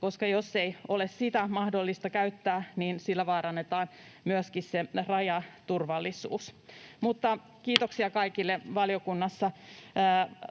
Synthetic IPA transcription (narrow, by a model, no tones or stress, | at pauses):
ko̞skɑjosːeiolessit̪æmɑhdolːist̪ɑkæyt̪ːæːniːnsilːæʋɑːɾɑnːet̪ɑːn | myøskisserɑjɑt̪urʋɑlːisṵːsmut̪ːɑ | kiːt̪oksiɑkɑikilːeʋɑliokunːɑsːɑː